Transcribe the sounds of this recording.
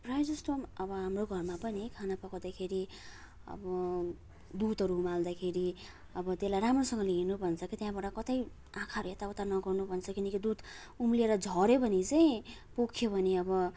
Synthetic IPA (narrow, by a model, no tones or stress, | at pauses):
prajd͡zʌsʈomʌbʌɦamroɡʱʌrmapʌnikʰanapʌkawd̪akʰeɾi | ʌ̰bʌ | d̪ud̪ɦʌɾuumald̪akʰeɾi | ʌbʌt̪elajɾamrosʌŋɡʌliinubʱʌnt͡sʰʌkit̪jãbaʈʌkʌt̪ʌj | ãkʰaɾuet̪aut̪anʌɡʌrnubʱʌnt͡sʰʌkinʌkid̪ud̪ | umlieɾʌd͡zʱʌɾebʱʌnit͡saĩpokʰjobʱʌneʌbʌ